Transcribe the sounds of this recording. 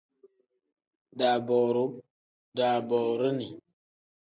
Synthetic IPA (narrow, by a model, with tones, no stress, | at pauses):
da˨bɔ˨ɾu˦ | da˨bɔ˨ɾə˦ni˨